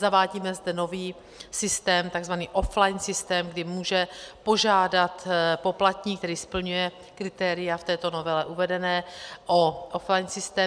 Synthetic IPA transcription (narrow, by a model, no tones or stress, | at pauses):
zavaːɟiːmɛzdɛno̞viː | sɪst̪ɛːmt̪aɡzvaniːʔo̞flajnsɪst̪ɛːmɡdɪmuːʒɛpo̞ʒaːdat̪po̞plat̪ɲiːk̚t̪ɛɾiːspl̩ɲujɛ | kɾɪt̪ɛːɾɪjaft̪ɛːt̪o̞no̞vɛlɛʔuvɛdɛnɛːʔoʔoflajnsɪst̪ɛː